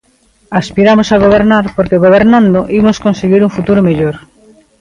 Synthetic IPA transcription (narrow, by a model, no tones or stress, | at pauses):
aspiɾamosaɣ̞oβ̞eɾnaɾpoɾkeɣoβ̞eɾnãnd̪oʔimoskonseɣiɾuŋfut̪uɾomeʎoɾ